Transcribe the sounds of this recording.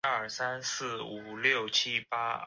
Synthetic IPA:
ə˥˩sa˦˥nsɹ̩˥˩u˨˩ljo˥˩ʊt͡ɕʰi˥pa˥

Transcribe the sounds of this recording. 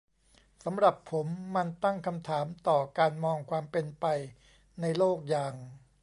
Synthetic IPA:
sa˩˦mɾa˨˩pʰːo˩˦mːa˧nt̪a˥˩ŋkʰa˧mt̪ʰaː˩˦mt̪ɔː˨˩kaː˧nmɔː˧ŋkʰwaː˧mpe˧npa˧j | na˧jloː˥˩k̚jaː˧ŋ

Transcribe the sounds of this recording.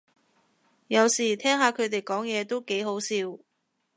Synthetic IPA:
jɐ˨˧wsiː˨˩t̪ʰɛː˥ŋɦaː˨˧kʰɵ˨˧ɥt̪̬e˨jkɔː˨˥ŋjɛː˨˧t̪o˥wke˨˥jɦo˨˥wsiː˧w

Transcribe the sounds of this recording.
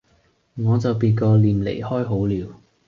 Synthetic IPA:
ŋɔː˨˧t͡sɐ˨wpiː˧nkɔː˧liː˨mlḛ˨˩jhɔː˥jɦo˨˥wliː˨˧w

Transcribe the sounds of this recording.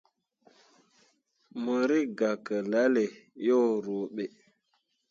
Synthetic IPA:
mə˨ɾi˦ɡa˨kə˨la˦le˨jo˦ɾo˨ɓe˨

